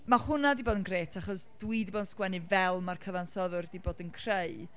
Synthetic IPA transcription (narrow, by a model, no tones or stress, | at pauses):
mahʊnadiboːdənɡreːtʰaχɔsd̥wiɨdiboːdnskwɛnivɛlˠmarkʰəvansɔðʊrdiboːdənkʰr̥ej